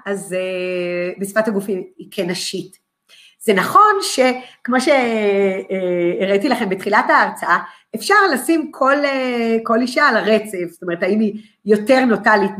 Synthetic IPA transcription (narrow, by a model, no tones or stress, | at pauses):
azebesi̥fataɡufiikʰenaʃit | z̥enaχo̞nʃe̞kmo̞ʃe | ʁaitilaχe̞mbetχilataːʁt͡saa | efʃaʁlasimkʰo̞leko̞liʃalaʁet͡sevso̥t̪oe̞ʁetaimi | jo̞te̞ʁno̞talit